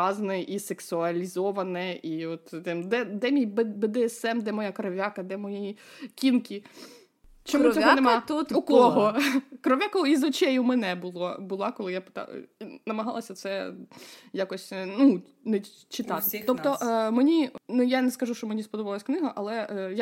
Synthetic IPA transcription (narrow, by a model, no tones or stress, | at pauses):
ɑznɛʔiseksʊɐlʲizɔʋɐnɛiɔt̪d̪ɛmd̪ɛd̪ɛmʲijbɛbɛd̪ɛɛsɛmd̪ɛmɔjakɾɐʋʲjakɐd̪ɛmɔjiikʲinkʲi | t͡ʃɔmuɔɦɔnemɑt̪uukɔɦɔkɾɔʋʲjakɔɔizɔt͡ʃɛjʊmɛnɛbʊlˠɔbʊlˠɑkɔlˠɪjapɪ̥t̪ɑ̰nɐmɐɦɑ̰lˠɐsʲɐt̪sɛ | jakɔsʲnu | nɛ | t͡ʃɪt̪ɑt̪ɪ̥t̪ɔpt̪ɔmenʲinʊjanɛskɐʒuʃt͡ʃɔmenʲispɔd̪ɔʋɑlˠɐsʲknɪɦɐʔɐlˠɛja